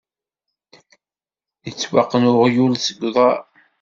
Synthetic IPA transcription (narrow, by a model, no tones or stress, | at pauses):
jət͡sːwaqːənʊʁjulsəɡʷðˤɑ